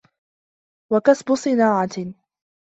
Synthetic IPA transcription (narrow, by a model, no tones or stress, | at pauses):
wakasbʊsˤɨnaːʕa